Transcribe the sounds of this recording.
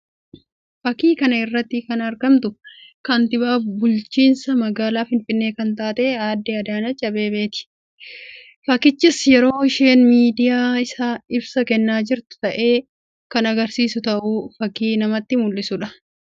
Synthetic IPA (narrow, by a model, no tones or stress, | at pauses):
fɐkiːkɐnɐɪrːɐt̪ːɪkɐnɐɾɡɐmt̪ʊkɐnt̪ɪbaːbʊlt͡ʃiːnsɐmɐɡaːlaːfɪnfɪnːe̞ːkɐnt̪aːt̪e̞ːaːd̪ːeːɐd̪aːnɐt͡ʃʼːɐbe̞ːbe̞ːt̪ɪ̥ | fɐkɪt͡ʃːɪsjɛɾo̞ːɪʃeːnmiːd̪ɪjaːɪsaːɪbsɐkɛnːaːd͡ʒɪɾt̪ʊ̥t̪ɐʔe̞ː | kɐnɐɡɐɾsiːsʊt̪ɐʔʊfɐkiːnɐmɐt̪ːɪmʊlːɪsʊᶑɐ